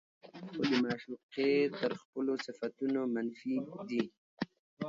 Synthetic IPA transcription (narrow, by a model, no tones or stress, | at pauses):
xod̪əmɑːʃuqet̪əɾxpəlosɪfat̪unomanfid̪i